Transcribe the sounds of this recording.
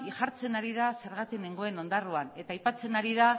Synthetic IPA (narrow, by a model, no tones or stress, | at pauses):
iʝaɾt͡se̞naɾiðaseɾɣat̪ineŋɡo̞eno̞nd̪aruane̞t̪aːjpat͡se̞naɾiða